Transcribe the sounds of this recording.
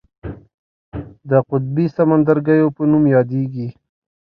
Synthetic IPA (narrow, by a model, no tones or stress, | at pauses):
d̪əqʊt̪̚bisamand̪aɾɡajopənumjɑd̪eɡi